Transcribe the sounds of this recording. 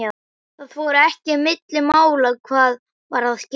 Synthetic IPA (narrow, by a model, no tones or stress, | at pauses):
a | θaðfɔːɾʏɛhcɪmɪt̪lɪmaːwlaðkʰvaːð | vaɾ̥aðsc